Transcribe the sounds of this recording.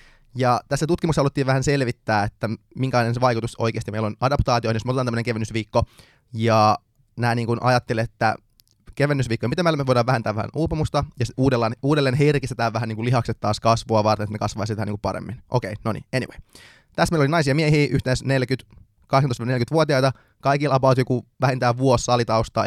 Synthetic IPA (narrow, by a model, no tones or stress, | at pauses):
jɑt̪æsːæt̪ut̪kimukshɑlut̪ːiːʋæhænselʋit̪ːæːet̪ːæ | miŋkælɑinenseʋɑjkut̪uso̰jkeːst̪imeilonɑdɑpt̪ɑːt̪iohnjosmot̪et̪ɑnæːənekeʋenːysʋiːkːo | jɑ | næːniːŋkunɑ̰jɑt̪ːelet̪ːæ̰ | keʋenːysʋiːkːojɑmit̪emːælːmeʋojdɾɑːʋæhent̪æːʋæhæ̰nuːpemust̪ɑjɑsuːdelːɑːnuːdelːeːnɦerkist̪et̪æːʋæɦæniːŋkulihɑkset̪tːɑːskɑsʋoɑʋɑrt̪enet̪nekɑsʋɑːsit̪ænḭːŋkupɑɾḛmːinʔokeinonḭeniʋḛj | t̪æsːmeilolinɑis̬iɑmieɦiːʔyht̪enːsnelkyt̪ | kɑhsntostʋnelkyt̪ʋuot̪iɑit̪ɑ | kɑikilʔɑpɑut̪jokuʋæhent̪æːʋuosːɑlit̪ɑust̪ɑ̰ː